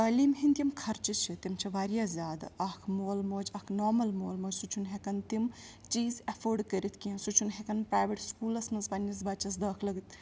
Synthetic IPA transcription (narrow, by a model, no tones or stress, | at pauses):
t̪ɐːliːmɦint̪ʲimkʰɐɾt͡ʃit͡ʃʰit̪imt͡ʃʰiʋaːɾjaːzʲaːd̪ɐkʰmoːlmoːd͡ʒɐkʰnoːɾmɐlmoːlmoːd͡ʒʲsut͡ʃʰunɦekɐnt̪im | t͡ʃiːzɐfʰoːɾɖkəɾit̪ʰkiɐ̃sut͡ʃʰunɦekɐnpɾaːjʋeʈskuːlɐsnɐspɐnːisbɐt͡ʃɐs̬d̪ɐːkʰlɐɡt̪ʰ